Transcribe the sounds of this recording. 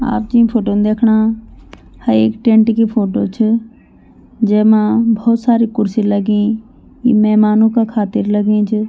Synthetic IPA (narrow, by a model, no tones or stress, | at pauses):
a̰ːpd͡ʒĩːpʰoːʈoːnd̪eːkʰɽ̃a | hɐɾḛːkʈẽɳʈkipʰoːʈot͡ʃʰə | d͡ʒeːmãbʱɔːt̪saːɾikʊɾsĩləɡĩ | ḭmɛːmaːnõkakʰaːt̪ɪɾlɐɡẽt͡ʃʰ